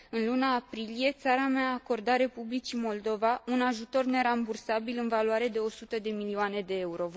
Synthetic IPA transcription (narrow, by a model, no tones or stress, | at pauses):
ɨnlunaːpɾilije̞tt̪saɾameaːko̞rd̪aɾe̞publit͡ʃimo̞ld̪o̞vaunaʒut̪o̞rne̞ɾambursabilɨnvaluaɾe̞d̪e̞o̞sut̪əd̪e̞milioane̞d̪e̞euɾo̞